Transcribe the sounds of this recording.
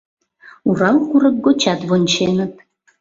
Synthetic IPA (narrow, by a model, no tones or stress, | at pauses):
uɾɑwkuɾək̚ɡot͡ɕɑt̪βonʲt͡ɕenət̪̚